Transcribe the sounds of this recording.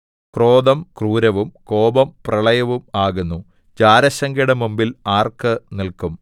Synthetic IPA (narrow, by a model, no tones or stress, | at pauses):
kroːd̪ɐmkruːɾɐʋumko̞ːbɐmprɐɭɐjɐʋumaːɣunːu | d͡ʑaːɾɐɕɐŋɡiɽɐmumbilaːrkɨnilkum